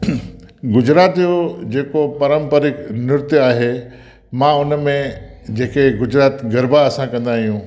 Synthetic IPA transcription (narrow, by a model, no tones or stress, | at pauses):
ɡʊd͡ʑɾaːt̪jod͡ʑeːkopɐɾə̃mpəɾɪknʊɾt̪jaːɦe | mãːʊnmẽd͡ʑeːkeɡʊd͡ʑɾaːt̪ɡɐɾbaɐsãkɐ̃nd̪aːɦijũː